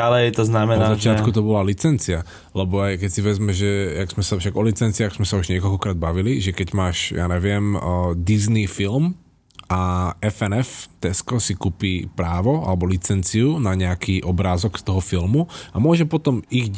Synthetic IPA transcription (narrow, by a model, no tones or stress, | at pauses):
alɛjt̪ɔznamɛzat͡ʃɪat̪kut̪ɔbɔlalit͡sɛnt͡sia | lɛbɔajkɛcsiʋɛzmɛʒɛjaɡz̥mɛsafʃaɡɔlit͡sɛnt͡siaɡz̥mɛsauʒɲɪɛkɔlkɔkɾaːd̪̚baʋiliʒɛkɛɟmaːʃja̰ːɲɛʋɪɛmd̪iznifilm | aɛfɛnɛft̪ɛskɔsikupiːpɾaːʋɔa̰lɛbɔlit͡sɛnt͡siunaɲɛakiːʔɔbɾaːzɔkst̪ɔɦɔfilmuamʊɔʒɛpɔt̪ɔmiɣ